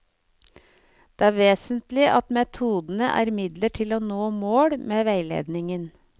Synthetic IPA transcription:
d̪̥eːæːɾʋeːsənt̪lɪʔɑt̪mɛt̪ʰuːd̪n̩əʔæ̰ːɾmɪd̪ləʈʰɪloːnoːmoːɽmeːʋæɪlḛːd̪nɪŋən

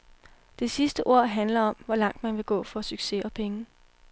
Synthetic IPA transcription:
d̥e̝sisd̥əʔo̝ɐ̰ɦænlɐɒ̽mʋɒ̽lɑ̈ŋ̰d̥mænʋe̝ɡ̥ɔ̰̽ːfɒ̽syɡ̥se̝ɒ̽pʰeŋə

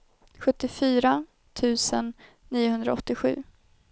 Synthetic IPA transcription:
ɧɵt̪ːɪfyːɾa | t̪ʰʉ̟ːsənː | iːʊɦɵnd̪ɾa̰ɔt̪ːɪɧʉ̟̰ː

